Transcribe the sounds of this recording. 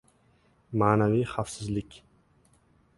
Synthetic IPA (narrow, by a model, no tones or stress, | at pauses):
maːnavijχafsɪzlɪkʲ